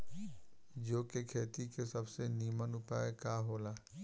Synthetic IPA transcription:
d͡ʒoːkekʰeːt̪ikesɐbseniːmənʊpaːekaɦoːlaː

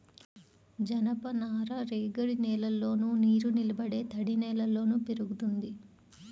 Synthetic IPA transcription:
d͡ʒɐnɐpɐnaːɾɐɾeːɡɐɾinɛːlɐlːo̞ːnuniːɾunilɐbɐɽe̞ːt̪ɐɽinɛːlɐlo̞ːnupeɾuɡut̪und̪i

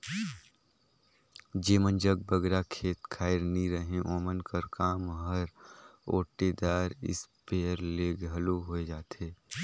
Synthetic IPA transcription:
d͡ʒeːmənd͡ʒəɡ̚bəɡɾakʰeːt̪kʰaːɪɾniɾəɦẽʔoːmənkəɾkaːmɦəɾo̰ːʈed̪aːɾɪ̰speːəɾleɡʱɐloɦoːed͡ʒaːt̪eː

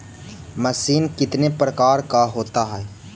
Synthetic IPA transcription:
mɐsiːnkɪt̪nepɾəkaːɾkaɦoːt̪aɦɛː

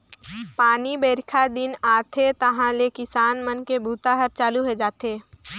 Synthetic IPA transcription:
paːnibeːɾɪkʰad̪ɪnaːt̪ʰet̪ɐɦãlekɪsaːnmənkebʱuːt̪aɦəɾt͡ʃaːluɦed͡ʒaːt̪eː

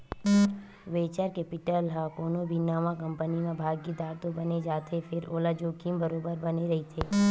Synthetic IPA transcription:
ʋeːt͡ʃaɾkepɪʈəlɦakoːnõbʱinaːmãkɐ̃mpənimẽbʱaːɡid̪aːɾt̪obɐned͡ʒaːt̪ʰefʰɪɾoːlad͡ʒoːkimbɐɾoːbəɾbɐneɾɐɦit̪ʰeː

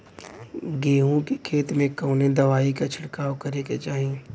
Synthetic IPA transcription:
ɡeːɦũkekʰeːt̪mẽkoːnẽd̪ɐʋaːikat͡ʃʰɪɽkaːʋkɐɾeket͡ʃaːɦi

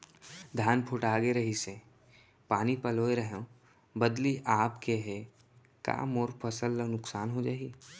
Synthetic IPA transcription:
d̪ʱaːnpʰʊʈaːɡeɾɐɦise | paːnipɐloːeɾəɦõ | bəd̪liʔaːpkeɦɛ | ka̰ːmoːɾpʰəsəlːnʊksaːnɦod͡ʒaːii

